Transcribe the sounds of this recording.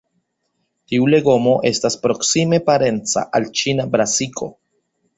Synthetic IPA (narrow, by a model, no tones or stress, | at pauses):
tiule̞ɡo̞mo̞ʔe̞staspɾo̞ksime̞paɾe̞nt͡sa̰ʔalt͡ʃinabɾasikʰo̞̰